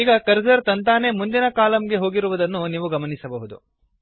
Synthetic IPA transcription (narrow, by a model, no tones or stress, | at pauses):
iːɡɐkɐɾd͡ʒɐɾt̪ɐnt̪aːnemund̪inɐkaːlɐmɡeɦo̞ːɡiɾuʋud̪ɐnːuniːʋuɡɐmɐnisɐbɐɦud̪ṵ